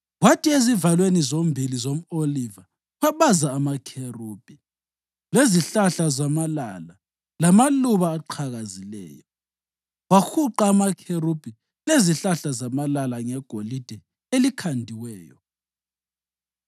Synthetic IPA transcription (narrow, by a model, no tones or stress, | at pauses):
watʰʼiezivalwenizombʱilizom̩oliva | waβazaːmakʰeruːb̥ʱi | leziɬaɬazamalala | lamaluβaːǃʰaɣazilɛ̰ːjɔ | waxuǃaːmakʰerub̥ʱi | leziɬaɬazamalalaŋɛɡ̥ʱolid̥ʱɛ | elikʰandʱiwɛːjɔ̰